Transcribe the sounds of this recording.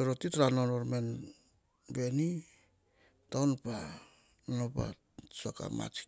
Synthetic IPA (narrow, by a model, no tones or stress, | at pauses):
eɾotitɾanonoɾmen | be̞ni | tawnpa | nonopa̰ | saka̰ma̰t͡ʃi̥